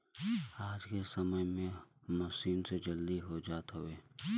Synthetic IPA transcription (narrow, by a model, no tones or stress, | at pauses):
aːd͡ʒkesəməjmẽmɐsiːnsed͡ʒɐld̪iɦod͡ʒaːt̪ɦʊeː